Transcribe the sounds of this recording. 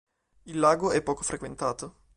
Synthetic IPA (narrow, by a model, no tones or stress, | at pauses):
ilːaːɡoɛpːɔːkofɾʔekwent̪aːt̪o